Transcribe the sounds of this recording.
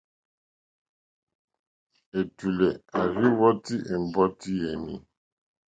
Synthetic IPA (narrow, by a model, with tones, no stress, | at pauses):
e˨tu˨lɛ˨a˨ɾi˦wɔ˦ti˦ʔe˨m̩˨bɔ˦ti˦jɛ˨nĩ˨